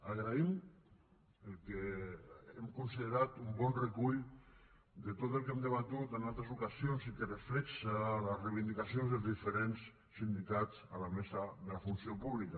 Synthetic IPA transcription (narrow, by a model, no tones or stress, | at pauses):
aɣɾaim | elˠke | emkunsiðeɾat̪umbɔnrekuʎ | d̪et̪ot̪elˠkemd̪eβat̪ut̪enalˠt̪ɾesukasionsikereflɛksalesrejβind̪ikasionzðelˠzðifeɾens | sind̪ikat͡salamesaðelafunsiopuβlika